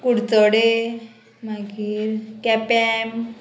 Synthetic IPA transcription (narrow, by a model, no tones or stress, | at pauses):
kuɽt͡sɔɽe | maɡiːɾkɛpɛm